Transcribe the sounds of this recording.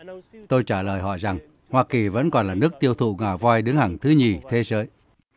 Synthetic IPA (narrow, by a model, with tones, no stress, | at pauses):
t̪o˧jt͡ɕaː˧˩ləː˨˩jɦɔ̰˧˨jza˨˩ŋ | hwaː˧ki˨˩və̰˧˥nkɔ˨˩nlaː˨˩nɨ˦˥ək̚t̪i˧əwt̪ʰṵ˧˨ŋaː˨˩vwaː˧jɗɨ˨˦əŋha˨˩ŋt̪ʰɨ˨˦ɲi˨˩t̪ʰe˨˦zəː˨˦j